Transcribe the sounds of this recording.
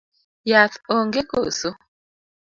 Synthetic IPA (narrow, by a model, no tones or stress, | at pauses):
jat̪oŋɡeko̰so